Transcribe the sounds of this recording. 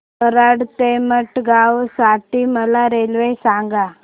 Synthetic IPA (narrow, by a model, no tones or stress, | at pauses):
əɾaɽt̪eməʈɡaʋsaʈiməlaɾelʋesaŋɡa